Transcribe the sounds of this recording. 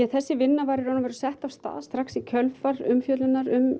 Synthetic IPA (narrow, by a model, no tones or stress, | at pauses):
ɛθɛsːɪvɪnːavaːɾɪɾɔnavɛɾʏsɛht̪av̥st̪a̰ːðst̪ɾaxksicʰœlfaɾʏmfjœt̪lɪnaɾʏm